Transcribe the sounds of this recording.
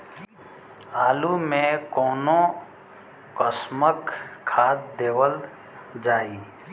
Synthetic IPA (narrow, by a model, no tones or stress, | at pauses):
aːlumẽkɔːnõ | kəsməkʰːaːt̪̚d̪eːwəl | d͡ʒaːiː